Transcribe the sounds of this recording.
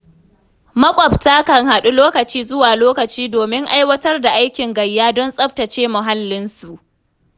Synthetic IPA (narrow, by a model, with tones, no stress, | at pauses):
mɐ˦kʷʼɔ˨btaː˦kɐ˨ŋha˨ɗu˦loː˦kɐ˨t͡ʃiː˦zʊ˦waː˨loː˦kɐ˨t͡ʃiː˦doː˨mɪ˦ŋʔa˦jwɐ˦tɐ˦rda˨ʔa˦jkʲɪ˨ŋɡɐ˨jːaː˦dɔ˦nsʼɐ˦ɸtɐ˨t͡ʃeː˦mʊ˨ɦa˦lːɪ˦nsu˨ʔ